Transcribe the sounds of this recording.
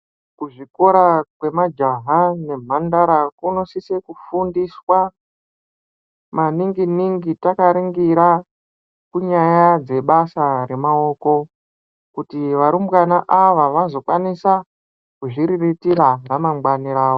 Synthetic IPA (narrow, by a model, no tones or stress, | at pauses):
kuʐiko̞ɾakwe̞mad͡ʒaɦane̞m̤andaɾakunosisekufundiswa | maniŋɡiniŋɡitakaɾiŋɡiɾa | kuɲajad͡ze̞ɓasare̞mao̞ːko̞ | kutiʋaɾumbwanaʔaʋaʋazo̞kwanisa | kuʐiɾiritiraramamɡwaniɾaːwo